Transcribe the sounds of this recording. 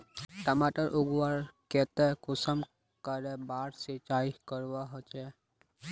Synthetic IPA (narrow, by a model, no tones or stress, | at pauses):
ʈəmaʈəɾʔuɡʋaɾkɛt̪ɛkʊsəm | kəɾɛbaɾset͡ʃaikəɾʋaɦɔt͡ʃɛ